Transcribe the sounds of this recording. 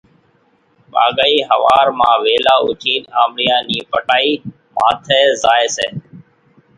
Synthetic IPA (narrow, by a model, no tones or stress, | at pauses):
ɓa̰ːɠaːiːɦəʋaːɾmãːʋeːlaːʊ̰t͡ʃʰiːnaːmɽɪjãːniːpəʈaːiː | mãːt̪ʰeːzaːeːseː